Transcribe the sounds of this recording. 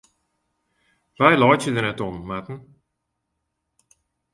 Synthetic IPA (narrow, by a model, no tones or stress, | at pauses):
ʋajlɔjtjədərnɛtɔnmatn̩